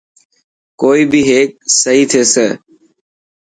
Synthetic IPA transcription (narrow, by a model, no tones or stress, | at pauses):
koːiːbʱiːɦeːk̚səɦiːt̪ʰeːseː